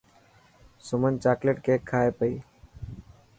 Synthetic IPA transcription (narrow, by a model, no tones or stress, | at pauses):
sʊmənt͡ʃaːkleːʈkeːkʰːaːeːpəiː